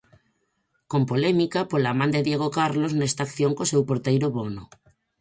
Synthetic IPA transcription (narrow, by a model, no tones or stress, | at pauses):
kompolɛmikapolamãnd̪eðjeɣ̞okaɾloznest̪akθjoŋkosewpoɾt̪ejɾoβono